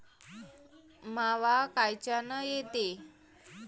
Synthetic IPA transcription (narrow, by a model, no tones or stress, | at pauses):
maʋakajt͡ɕanəjet̪e